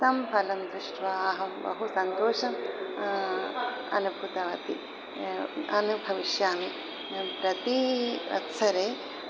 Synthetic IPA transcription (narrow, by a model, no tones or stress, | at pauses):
t̪ɐmpʰɐlɐmd̪ɾɪʂʈʋɐaɦɐmbɐ̰ɦusɐnt̪oːʃɐm | ɐ̰nubʱut̪ɐʋɐt̪i | ɐnubʱɐʋiʃjaːmi | pɾɐt̪iʋɐ̰t̪sɐɾeː